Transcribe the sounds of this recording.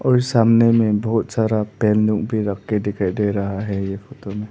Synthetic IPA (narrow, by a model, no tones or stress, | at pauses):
ɔːɾɪsaːmnemẽbɔɦʊt̪saːɾapɛːnlũkbʱiɾɐkʰkeɖɪkaɖeɾɐɦaɦɛjefoːt̪omẽ